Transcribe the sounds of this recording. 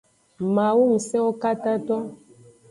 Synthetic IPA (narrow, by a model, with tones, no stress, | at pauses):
mã˨wu˦m̩˨sɛ̃˦wo˦ka˦ta˦tɔ˦